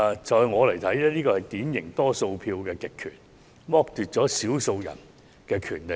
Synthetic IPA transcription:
t͡ʃɔː˨˧jŋɔː˨˧lɐ˨˩jt̪ʰɐ˨˥jɛː˥niː˥kɔː˧hɐ˨jt̪iː˨˥njɪ˨˩ŋt̪ɔː˥so˧wpʰiː˧wkɛː˧kɪ˨kʰːy̰ː˨˩n | mɔː˥k̚t̪yː˨t̚t͡ʃɔː˨˥siː˨˥wso˧wjɐ̰˨˩n | kɛː˧kʰyː˨˩nle˨˩

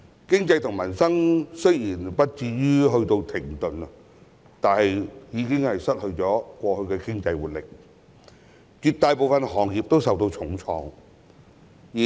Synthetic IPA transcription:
kɪ˥ŋt͡sɐ˧jt̪ʰʊ˨˩ŋmɐ˨˩nsɐ˥ŋsɵ˥jjiː˨˩npɐ˥t̚t͡siː˧ɥyː˥ɦɵ˧ɥt̪o˧wt̪ʰɪ˨˩ŋt̪ɵ˨nɐ˧ | t̪aː˨nhɐ˨jjiː˨˧kɪ˥ŋhɐ˨jsɐ˥t̚hɵ˧ɥt͡sɔː˨˥kʷɔː˧hɵ˧ɥkɛː˧kɪ˥ŋt͡sɐ˧jwuː˨˩t̚lɪ˨k̚ | t͡ʃyː˨˩t̚t̪aː˨jpo˨wfɐ˨nhɔː˨˩ŋjiː˨p̚t̪o˥wsɐ˨wt̪o˧wt͡sʰʊ˨˥ŋt͡sʰɔː˨˧ŋ | jiː˨˩

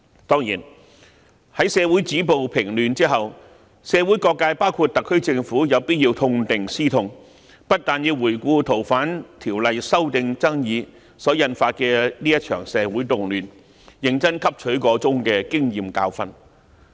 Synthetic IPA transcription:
t̪ɔː˥ŋjḭː˨˩n | hɐ˨˥jsɛː˨˧wu˨˥jt͡siː˨˥p̬o˨wpʰɪ˨˩ŋlyː˨nt͡siː˥ɦɐ˨w | sɛː˨˧wuː˨˥jkɔː˧kːaː˧jpaː˥wkʰuː˧t̚t̪ɐ˨kʰːɵ˥ɥt͡sɪ˧ŋfuː˨˥jɐ˨˧wpi˥t̚jiː˧wt̪ʰʊ˧ŋt̪ɪ˨ŋsiː˥t̪ʰʊ˧ŋ | pɐ˥t̚t̪aː˨nji˧wuː˨˩jkʷuː˧t̪ʰo˨˩wfaː˨˥nt̪ʰiː˨˩wlɐ˨jsɐ˥wt̪ɪ˧ŋt͡sɐ˥ŋjiː˨˧ | sɔː˨˥jɐ˧nfaː˧t̚kɛː˧liː˥jɐ˥t̚t͡ʃʰœː˨˩ŋsɛː˨˧wuː˨˥jt̪ʊ˨ŋlyː˨n | jɪ˨ŋt͡sɐ˥nkʰɐ˥p̚t͡ʃʰɵ˨˥ɥkɔː˨˥t͡sʊ˥ŋkɛː˧kɪ˥ŋjiː˨mka̰ː˧wfɐ̰˧n

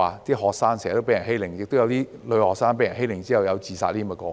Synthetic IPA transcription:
aː˨˩t̪iː˥ɦɔː˨k̚saː˥ŋsɛ˨˩t̪o˥pjɐ˨˩nɦe˥jlɪ˨˩ŋjɪ˨k̚t̪o˥jwt̪iː˥lɵ˨˧hɔː˨k̚saː˥np̬e˧˥jɐ˨˩nɦe˥jlɪ˨˩ŋt͡siː˥hɐ˨wjɐ˨˧wt͡siː˨˩sa̰ː˧li˥˧mɐ˧kɔː˧

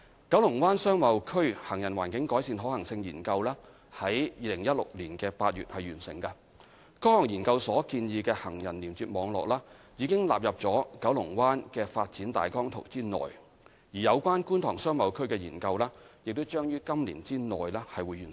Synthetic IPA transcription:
kɐ˨˥wlʊ˨˩ŋwaː˥nsœː˥ŋmɐ˨˥wkʰɵ˥ɥhɐ˨˩ŋjɐ˨˩nwaː˨˩nkɪ˨˥ŋkɔː˨˥jsiː˨˧nɦɔː˨˥hɐ˨˩ŋsɪ˧ŋjiː˨˩nkɐ˧wlaː˥ | hɐ˨˥jjiː˧lɪ˨˩ŋjɐ˥t̚lʊ̰˨k̚liː˨˩nkɛː˧paː˧t̚ɥy̰ː˨t̚hɐ˨jyː˨˩nsɪ̰˨˩ŋkɐ˧ | kɔː˥hɔː˨˩ŋjiː˨˩nkɐ˧wsɔː˨˥kiː˧njiː˧kɛː˧hɐ˨˩ŋjɐ˨˩nliː˨˩mt͡syː˧˨t̚mɔː˨˧ŋlɔ̰ː˨k̚laː˥ | jiː˨˧kɪ˥ŋla̰ː˨p̚jɐ˨p̚t͡sɔː˨˥kɐ˨˥wlʊ˨˩ŋwaː˥nkɛː˧faː˧t̚t͡siː˨˥nt̪a̰ː˨jkɔː˥ŋt̪ʰo̰˨˩wt͡siː˥nɔ̰ː˨j | jiː˨˩jɐ˨˧wkʷaː˥nkuː˥nt̪ʰɔː˨˩ŋsœː˥ŋmɐ˨˧wkʰɵ˥ɥkɛː˧jiː˨˩nkɐ˧wlaː˥jk̚t̪o˥wt͡ʃœː˥ŋjyː˥kɐ˥mlḭː˨˩nt͡siː˥nɔ̰ː˨˩jlɛː˥hɐ˨jwuː˨˥jyː˨˩n

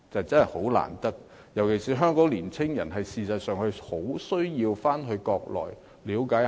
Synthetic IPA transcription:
t͡sɐ˨t͡sɐ˥nɐ˨˩ho˨˥wla̰ː˨˩nt̪ɐ˥k̚ | jɐ˨˩wkʰe˨˩jsiː˨˩ɦœː˥ŋkɔː˨˥ŋliː˨˩nt͡sʰɪ˥ŋjɐ˨˩nɦɐ˨jsiː˨˧sɐ˨t̚sœː˨ŋhɵ˧ho˨˥wsɵ˥ɥjiː˧wfaː˥nɦɵ˧ɥkɔː˧k̚lɔ̰ː˨˩j | liː˨˥wkaː˨˥j

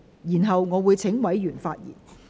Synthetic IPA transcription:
jiː˨˩nɦɐ˨wŋɔː˨˧wuː˨˧jt͡sʰɪ˨˥ŋwɐ˨˥jjyː˨˩nfaː˧t̚jḭː˨˩n

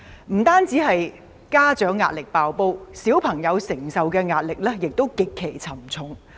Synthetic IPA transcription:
m̩˨˩t̪aː˥nt͡siː˨˥ɦɐ˨j | kaː˥t͡ʃœː˨˥ŋːa̰ː˧t̚lɪ˨k̚paː˨wpo˥wsiː˨˥wpʰɐ˨˩ŋjɐ˨˧wsɪ˨˩ŋsɐ˨wkɛː˧ŋaː˧t̚lɪ˨k̚lɛː˥jɪ˨k̚t̪o˥wkɪ˨kʰːe˨˩jt͡sʰɐ˨˩mt͡sʰʊ˨˥ŋ

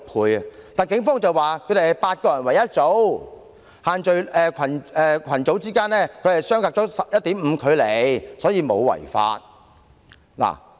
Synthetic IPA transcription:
pʰuː˨˧jɐ˨t̪aː˨nkɪ˨˥ŋfɔː˥ŋt͡sɐ˨waː˨kʰɵ˨˧ɥd̪e˨˩˨paː˧t̚kɔː˧jɐ˨˩nwɐ˨˩jɐ˥t̚t͡so˨˥w | haː˨nt͡ʃɵ˨ɥɛː˨˧kʰɐ˨˩nɛː˧kʰɐ˨˩nt͡so˨˥wt͡siː˥kaː˥nlɛː˥kʰɵ˨˧ɥhɐ˨˩jsœː˥ŋkaː˧k̚ɔː˨˥sɐ˨p̚jɐ˥t̚t̪iː˨˥mm̩ː˨˧kʰɵ˨˧ɥle˨jsɔː˨˥jiː˧mo̰˨˧wwɐ̰˨˩jfa̰ː˧t̚ | la̰ː˨˩

